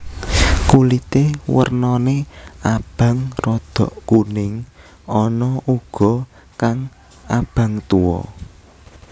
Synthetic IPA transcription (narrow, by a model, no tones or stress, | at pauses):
kulit̪ewə̰rnɔneab̥ä̤ŋrɔd̪̥ɔ̤ʔkunɪŋ | ɔnɔʔuɡ̥ɔ̤ | kaŋ | ab̥ä̤ŋt̪uwɔ̰